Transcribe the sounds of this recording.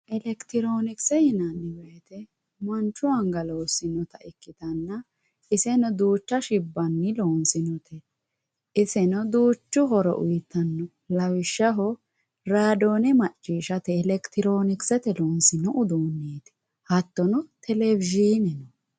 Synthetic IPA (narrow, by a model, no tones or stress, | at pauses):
ʔɛlɛkt̪ɪɾo̞ːnɪksɛhɪnɐnːɪwejt̪ɛ | mɐnt͡ʃːʊɐŋɡɐloːsɪnɔt̪ɐɪkːɪd̪ɐnːɐ | ɪsɛnɔd̪uːt͡ʃːɐʃɪbːɐnːɪloːnsɪnɔt̪ʰɛ | ʔɪsɛnɔd̪uːt͡ʃːʊɦɔɾɔ̰ʔʊjɪt̪ːɐnːɔ | lɐwɪʃːɐɦɔ | ɾaːd̪o̞ːnɛmɐt͡ʃʼːiːʃɐt̪ɛːlɛkt̪ɪɾoːnɪksɛt̪ɛloːnsɪnɔʔʊd̪uːnːeːt̪ɪ̥ | hɐt̪ːɔnɔt̪ʰɛlɛvɪʒinɛnɔ